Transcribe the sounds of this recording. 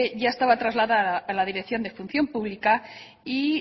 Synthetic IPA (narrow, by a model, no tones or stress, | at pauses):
eʝaest̪aβat̪ɾazlaðalaðiɾekθjo̞nd̪e̞fun̟θjo̞mpuβlika | i